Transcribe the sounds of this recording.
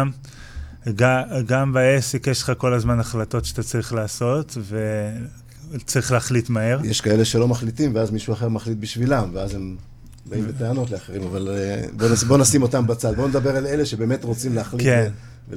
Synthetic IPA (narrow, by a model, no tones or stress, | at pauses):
m | ɡaɡambaesekjeʃle̥χako̞lazmanaχlato̞tʃe̥at̪at͡saʁiχlaːso̞tve̞ | t͡saʁiχleːχlitmae̞ʁjeʃkaele̞ʃelo̞maχlitimveazmiʃuaχe̞ʁmaχlit̪̚biʃvilamveazem | baimbeteano̞tleaχeʁimavalbonasbonasimo̞tambat͡salbo̞ned̪abe̞ʁaleleʃebeːme̞t̪ʁot͡simleːχlike | v